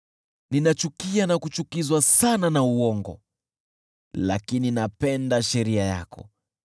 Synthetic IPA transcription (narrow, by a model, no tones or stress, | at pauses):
ninat͡ʃukianakut͡ʃukizwasananauɔŋɡɔ̰ | la̰kininapɛndaʃɛɾiaja̰kɔ̰